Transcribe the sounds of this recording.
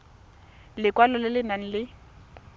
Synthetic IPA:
lɪkwalɔlɪlɪnan̩lɪ

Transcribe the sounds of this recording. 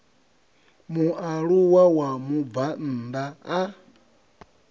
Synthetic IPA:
muʔaɺuwawamuban̩ːd̪aː

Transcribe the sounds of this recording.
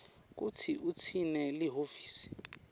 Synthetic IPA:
k̬ut͡sʰiut͡sʰinɛliɦoviːsi̥

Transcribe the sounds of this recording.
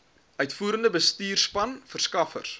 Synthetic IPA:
œɥtfuːɾəndəbəstiːrspɐnfərskɐfə̰rs

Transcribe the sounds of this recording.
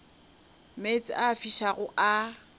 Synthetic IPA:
met͡sʼaːfiʃaɣʊʔa

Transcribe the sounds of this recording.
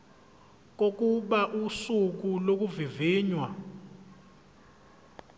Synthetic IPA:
k̬ok̬ʼuɓaʔusuk̬ulok̬uviviːɲwa

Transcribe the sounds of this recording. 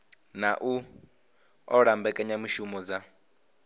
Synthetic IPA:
naʔu | ɔɺambɛkʼɛɲamiʃumɔd͡za

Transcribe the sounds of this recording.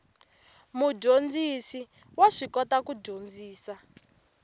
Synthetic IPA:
muɟond͡zisi | waʂikɔtakuɟond͡ziːsa

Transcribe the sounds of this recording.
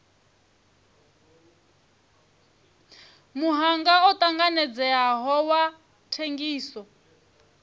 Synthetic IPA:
muɦaŋɡaɔt̪ʼaŋɡanɛd͡zɛaɦɔwa | tʰeŋɡiːsɔ

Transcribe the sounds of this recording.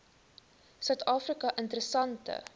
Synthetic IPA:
sœɥtɑːfrikɐʔəntəɾəsɐntə̰

